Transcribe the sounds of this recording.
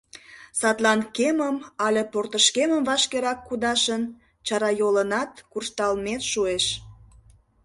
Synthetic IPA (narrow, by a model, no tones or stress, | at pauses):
sɑt̪lɑnkeməmɑlʲeport̪əʃkeməmvɑʃkeɾɑkːud̪ɑʃən | t͡ɕɑɾɑjolənɑt̪kurʃt̪ɑlmet̪ʃueʃ